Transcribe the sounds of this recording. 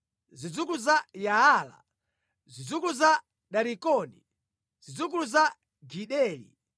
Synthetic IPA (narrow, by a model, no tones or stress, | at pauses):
zid͡zuk̬uzajaala̰ | zid͡zukuza | ɗaɾikɔnḭ | z̥id͡zuk̬uuza | ɡiɗɛːlḭ